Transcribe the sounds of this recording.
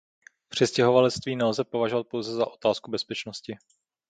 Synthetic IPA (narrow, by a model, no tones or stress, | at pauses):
pr̝̥ɪscɛɦo̞valɛt͡st̪viːnɛlzɛpo̞vaʒovat̪̚po̞wzɛzaʔo̞t̪aːskubɛspɛt͡ʃnoscɪ